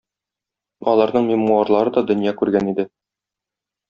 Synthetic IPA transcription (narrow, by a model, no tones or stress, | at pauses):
ɒlˠɑɾnɤɴmʲemmuɑɾlˠɑɾɤd̪ɒd̪ɵ̆njɑkʉɾɡænid̪ɘ